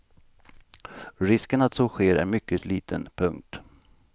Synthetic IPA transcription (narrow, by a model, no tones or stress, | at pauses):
ɾɪskənat̪sɔɧeːɾæ̰ɾmʏkːəliːt̪ʰənpʰɵŋkt̪